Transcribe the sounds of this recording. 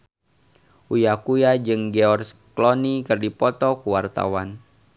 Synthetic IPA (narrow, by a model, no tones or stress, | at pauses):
ʔujakujad͡ʒɨŋɡeɔrsklɔnikɨrdipɔt̪ɔkuwart̪a̰wan